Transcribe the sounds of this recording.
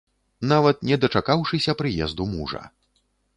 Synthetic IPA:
navɐt̪̚nʲɛd̪ɐt͡ʂakawʂɨsʲɐpɾɨjɛ̰zd̪umuʐɐ̰

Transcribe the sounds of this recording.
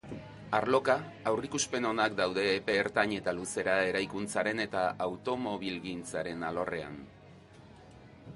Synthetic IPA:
aɾlo̞ka | awrikuspe̞no̞nakd̪awðe̞ːpe̞ːɾt̪aɲe̞t̪aluse̞ɾae̞ɾajkunt͡saɾe̞ne̞t̪aawt̪o̞mo̞β̞ilɣint͡saɾe̞nalo̞re̞a̰n

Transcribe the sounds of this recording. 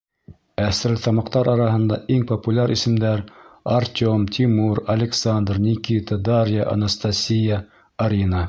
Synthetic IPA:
æsɾlt̪ɑmɑqt̪ɑɾʔɑɾɑɦɤ̆nd̪ɑʔiŋpəpulʲaɾʔisɘ̆md̪æɾɐrtʲomt̪ʰʲimuɾɐlʲɪksand̪rnʲikʲit̪əd̪aɾʲjəʔɐ̰nəst̪asʲijə | ɐɾʲinə

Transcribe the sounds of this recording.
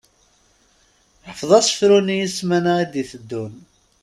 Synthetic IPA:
ħəfðˤɑsə̥fɾunijismænaæd̪iθəd̪ːun

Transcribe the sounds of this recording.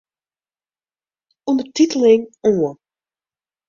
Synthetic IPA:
undətitəlˠɪŋoːə

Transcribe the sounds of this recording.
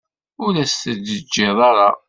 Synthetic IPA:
ʊlæst̪ədəd͡ʒːɪðˤɑɾˤɑ

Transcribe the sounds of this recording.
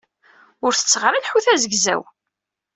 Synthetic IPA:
ʊɾθə̥t͡sːəʁɾælħuθæzəɡzæ̰w

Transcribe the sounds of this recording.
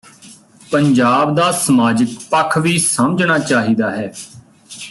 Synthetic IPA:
pəɲd͡ʒaːbd̪aːsəmaːd͡ʒək̚pəkʰʋiːsəmd͡ʒnaːt͡ʃaːɦiːd̪aːɦɛː

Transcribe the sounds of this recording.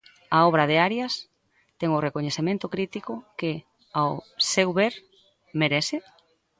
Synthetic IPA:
ɐɔβɾɐðeaɾjɐs | t̪ɛŋʊrekoɲeθemẽnt̪okɾit̪ikʊkɪ | awsewβeɾ | meɾesɪ

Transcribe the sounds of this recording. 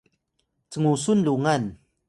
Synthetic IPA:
t͡səŋusunluŋɐn

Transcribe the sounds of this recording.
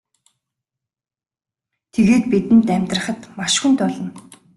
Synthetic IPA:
t̪ʰeɣeːt̪̚pit̪ɘ̆nt̪æmʲt̪rə̆χə̆t̪maʃxunt̪ʊɮɞ̆n

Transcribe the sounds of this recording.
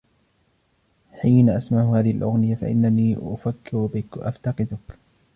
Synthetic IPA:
ħiːnaʔasmaʕʊhaːðɪhɪlʔʊɣnɪjafa̰ʔɪ̰nːaniːʔʊfakːɪɾbɪkʔa̰ft̪ɑqɨd̪ʊk

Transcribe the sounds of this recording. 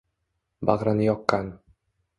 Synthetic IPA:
baʁɾanɪjɒqːɑn

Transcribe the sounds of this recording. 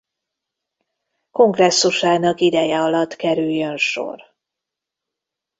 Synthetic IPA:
ko̞ŋɡrɛsːuʃaːnɒkid̪ɛjɛɒlɒt̪ːkɛɾyjːønʃo̞̰r

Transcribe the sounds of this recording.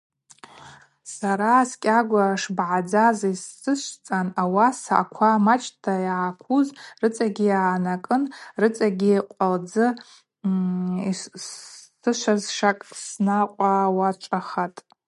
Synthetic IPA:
saɾaskʲʼaɡʷaʂbʕad͡zazisːɨʃʷt͡sʼanawasa̰kʷʰamat͡ʃʰʼtʰajaʕakʷʰuzrɨt͡sʼaɡʲijaːnakʼɨnrɨt͡sʼaɡʲiqʷʼald͡zɨ | isː | ɨʃʷazʂakʼsnaqʷʼawat͡ʃʷʼaχatʼ

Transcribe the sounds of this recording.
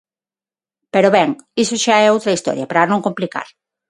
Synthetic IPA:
peɾoβɛŋisoʃaɛowt̪ɾaist̪ɔ̰ɾjapɾanõŋkomplika̰ɾ

